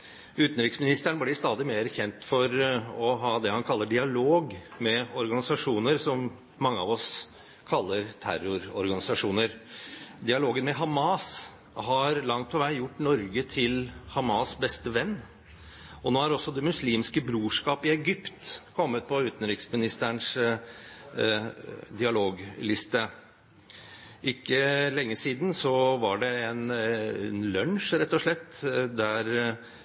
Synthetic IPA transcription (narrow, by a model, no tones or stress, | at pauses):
ʉːt̪n̩ɾɪksmɪnɪst̪əɳəblɪst̪ɑːd̪ɪmeːɾçɛnt̪fɔɾɔɦɑːd̪ɛhɑnkʰɑlːəɖɪɑloːɡmɛɔɾɡɑnɪsɑʂuːnəɾsɔm | mɑŋːəɑʋɔs | kʰɑlːəɾt̪ʰæ̰ɾʊɾɔɾɡɑnɪsɑʂuːnəɾd̪ɪɑloːɡənmɛɦɑmɑːs | hɑɾlɑŋt̪̚pʰɔʋæɪjʊʈːnɔɾɡət̪ʰɪlhɑmɑsbɛst̪əʋɛnː | ɔnoːæɾɔsːɔd̪ɛmʉsliːmskəbɾuːʂkɑːpɪɛɡʏpt̪kʰɔmːət̪̚pʰɔʉːt̪n̩ɾɪksmɪnɪst̪æɳʂ | d̪ɪɑloːɡlɪst̪ə | ʔɪkːəlɛŋːəsiːd̪n̩sɔʋɑɖɛɛnɛnlœnʂɾɛt̪ːɔʂɭɛt̪ːd̪æɾ